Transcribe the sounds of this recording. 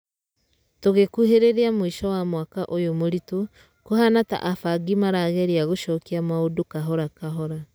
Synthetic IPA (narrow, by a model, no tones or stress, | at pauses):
toɣekuɦeɾeɾiamoiʃɔwamwakaʔojomoɾito | kohanata̰ʔafaɡimaɾaɣɛɾiaɣoʃɔkiamaodokaɦɔɾakaɦɔɾa